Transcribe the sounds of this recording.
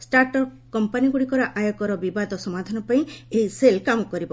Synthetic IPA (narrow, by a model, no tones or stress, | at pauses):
sʈaɾʈɔp | kɔmpaniɡuɽikɔɾɔʔajɔkɔɾɔbibad̪ʱɔsɔmad̪ʱanɔpaĩeɦiselkamɔkɔɾibɔ